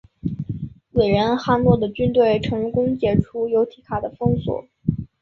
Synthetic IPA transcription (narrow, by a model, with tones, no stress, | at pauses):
we˨˩ɪɻə˧˥nxa˥˧nlwɔ˥˩d̪ə˩t͡ɕy˥nt̪we˥˩ɪʈ͡ʂʰɤ˧˥ŋkʊ˥ŋt͡ɕjɛ˨˩ʈ͡ʂʰu˥jo˧˥ʊt̪ʰi˧˥kʰa˨˩d̪ə˦fɤ˥ŋswɔ̰˨˩˦